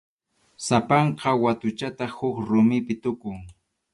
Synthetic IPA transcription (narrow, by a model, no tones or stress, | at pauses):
sapɑɴqɑwat̪ʊt͡ʃat̪ahʊkɾʊmɪpɪt̪ʊkʊŋ